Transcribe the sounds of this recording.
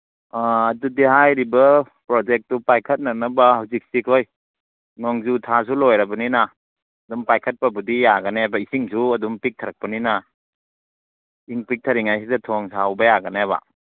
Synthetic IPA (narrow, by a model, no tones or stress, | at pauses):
aːdudiɦajɾibɐ | pɾɔd͡ʒek̚tupajkʰɐt̚nak̚nɐbahawzik̚sikʰoj | nɔŋzutʰas̬ulojɾɐbɐninaː | dumpajkʰɐt̚pabudijaɡɐnebaisiŋsuɐdumpik̚tʰɐɾak̚pɐnina | iŋpik̚tʰɐɾiŋajs̬idɐtʰɔŋsawbɐjaɡɐnaba̰